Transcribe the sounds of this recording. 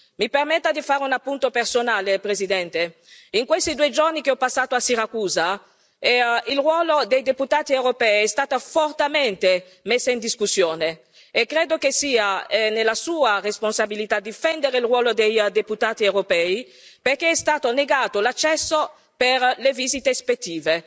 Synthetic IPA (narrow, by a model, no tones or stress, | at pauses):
mipermet̪ːad̪ifaːɾeunapːunt̪opersonaːlepɾezid̪ɛnt̪e | iŋkwest̪id̪uːed͡ʒornik̟eɔpasːaːt̪oasiɾakuːza | ɛilrwɔːlod̪ejd̪eput̪aːt̪iewɾopɛːiɛst̪aːt̪afort̪ament̪e | mesːaind̪iskusːjoːne | ekːɾeːd̪ok̟esiːaɛnelːasuːaresponsabilit̪ad̪ifɛnd̪eɾeilrwɔːlod̪ejd̪eput̪aːt̪iewɾopɛːi | perk̟eɛst̪aːt̪oneɡaːt̪olat͡ʃːɛsːo | perlevizit̪espet̪ːiːve